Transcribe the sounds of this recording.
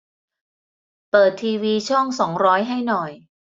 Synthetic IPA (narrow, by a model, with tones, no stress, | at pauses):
pɤː˨˩t̪ʰːiː˧wiː˧t͡ɕʰɔ˥˩ŋsɔː˩˦ŋɾɔː˦˥jɦa˥˩jnɔ˨˩j